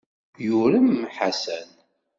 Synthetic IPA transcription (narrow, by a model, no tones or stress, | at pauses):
juɾəmːħasæn